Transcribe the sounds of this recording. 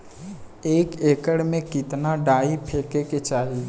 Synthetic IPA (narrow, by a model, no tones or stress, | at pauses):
eːkeːkəɽmẽkɪt̪naɖaːipʰeːkeket͡ʃaːɦ